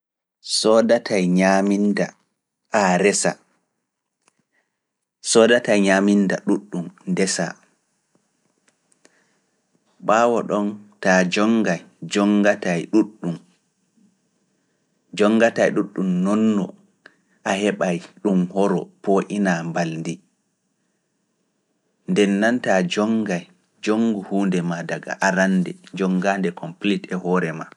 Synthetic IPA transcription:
sɔdatʰajɲaminda | ʔaɾɛsa̰ | sɔːdatajɲaːmindaɗuɗːumndɛsa̰ | ɓaːwɔɗɔntad͡ʒɔŋɡaj | d͡ʒɔŋɡatajɗuɗːum | d͡ʒɔŋːɡatajɗuɗːumnːɔnːɔ | ʔahɛɓajɗumhɔɾɔ̰pɔʔinambalndi | ndɛnːantad͡ʒɔŋɡaj | d͡ʒoŋɡuhuːndɛmadaɡa̰ʔaɾanːdɛd͡ʒɔŋɡandɛkʰɔmplitɛhɔɾɛma

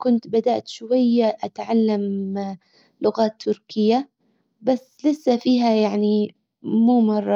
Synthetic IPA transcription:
kʊnt̪bad̪aʔt̪ʃʊwajːaʔat̪ʕalːam | lʊɣaːt̪ʰːʊɾkɪjːa | basːlɪsːafiːɦajaʕni | muːmɑrˤːɑ

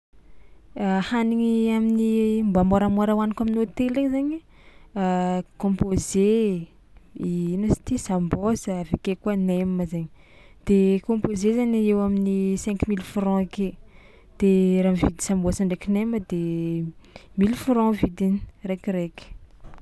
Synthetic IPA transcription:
ahaniŋiaminimbamoɾamoɾawanikaminot̪eleɲzaɲə | kõmpoze | iinəsḁt̪isambosəvekekuəneməzaɲi | d̪̥ekõpozezaɲiewaminisɛ̃ŋkumilfɾɔ̃ake | d̪̥eɾavid̪i̥sambosəɳɖ͡ʐekineməd̪e | milfɾɔ̃vid̪ini̥rekʲireki̥

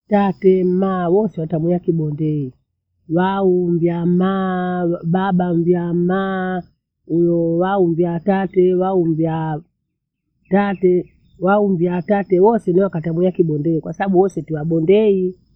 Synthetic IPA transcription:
tatɛm̩mawɔsɛwatamujakiɓɔndɛi | waumbjamma | baɓamvjama | ujɔwaumvjatatɛwaumvja | tatɛ | waumvjatatɛwɔsɛniwakatamujakiɓɔndɛikwasaɓaɓuwɔsɛtiwaɓɔndɛi

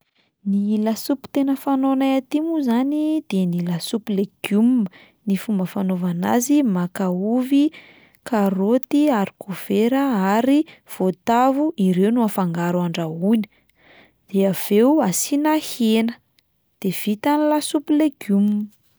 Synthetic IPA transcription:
nilasupi̥t̪enəfanonajat̪imuzanid̪̥enilasupileɡ̥jum | nifumbəfanovana̰zimakauvi | kaɾot̪iaɾi̥kʰov̥eɾəaɾiv̥ot̪avuʔiɾewnuafaŋɡaɾuaɳɖ͡ʐauni̥ | d̪̥eav̥ewasinahenə̥ | d̪̥ev̥it̪anilasupileɡ̥jum

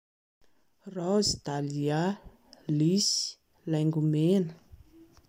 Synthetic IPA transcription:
rɔzid̪alia | lisi̥ | lajŋɡumenə̥

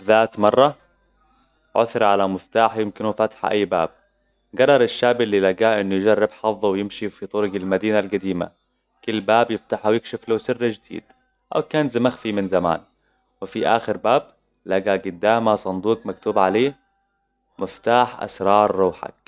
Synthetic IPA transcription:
ðaːt̪mɑrˤːɑ | ʕʊθɾʕalamɪft̪aːħjɪmkɪnufat̪ħaʔa̰jːba̰ːb̚ | ɡɑrˤːɑɾˤɪʃːaːbilːilaɡaːʔɪnːujd͡ʒarːɪbħɑfðˤːɑwjɪmʃifit̪ˤʊɾʊɡɪlmad̪iːnalɡad̪iːma̰ | kʊlːbaːbjɪft̪aħawjɪkʃɪflaːsɪrːad͡ʒd̪̥ḭːd̪̥ | ʔa̰wkaːnzamaxfimɪnzama̰ːn | wɪfiʔa̰ːxɪɾbaːb̚ | laɡaɡʊd̪ːaːmasˤɑnd̪uːqmakt̪uːbʕaleː | mɪft̪aːħʔa̰sɾˤɑːɾˤːuːħa̰k̚

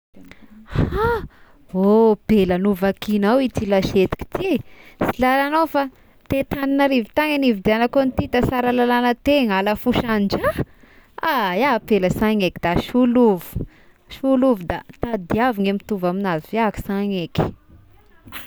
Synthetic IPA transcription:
ha | ob̥elənuvakinawit̪ilaʃet̪i̥ki̥t̪isilalanawfa | t̪et̪aninaɾivit̪aŋanivid̪ianakonit̪it̪asaɾalalanət̪eŋaləfuʃand͡ʒa | ajaapeləsaŋekid̪aʃuluvu̥ | ʃuluvud̪at̪ad̪iaviŋemit̪uvaminaziveaki̥saŋeki̥

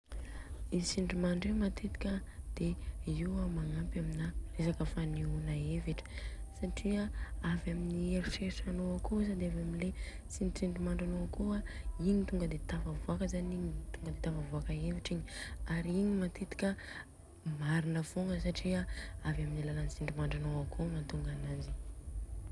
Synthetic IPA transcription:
isiɳɖ͡ʐimaɳɖ͡ʐemat̪ʰet̪i̥kʲəd̪̥eiwamaŋampaminaresakəfaniunaeviʈ͡ʂə̥saʈ͡ʂiaavaminieɾiʃeʈ͡ʂanoakosad̪eavaminle | sinʈ͡ʂiɳɖ͡ʐimaɳɖ͡ʐanoakoaiɲit̪uŋɡəd̪et̪afavuakəzaɲiɲit̪uŋɡəd̪et̪avavuakəeviʈ͡ʂiɲiaɾiɲimat̪et̪i̥kʲə | maɾinəv̥oŋɡəsaʈ͡ʂiaavaminilalanisiɳɖ͡ʐimaɳɖ͡ʐanoakʰonant̪uŋɡanazi

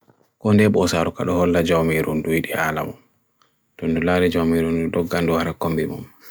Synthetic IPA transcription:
kɔndɛɓɔsaɾɔka̰ɗɔhɔlːad͡ʒawmiɾɔndujiɗiala̰mum | tɔndɔlaːɾɛd͡ʒawmiɾɔndɔɗɔɡːandɔhaɾakombimṵm

